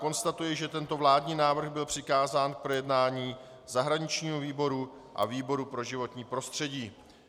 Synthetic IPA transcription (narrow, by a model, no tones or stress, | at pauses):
ko̞nst̪at̪ujɪʒɛt̪ɛnt̪o̞vlaːdɲiːnaːvr̩ɣbɪlpr̝̥ɪkaːzaːnk̚pɾo̞jɛdnaːɲiː | zaɦɾaɲɪt͡ʃɲiːɦoviːbo̞ɾu | ʔa̰viːbo̞ɾupɾo̞ʒɪvo̞t̪ɲiːpɾo̞st̪r̝̥ɛɟiː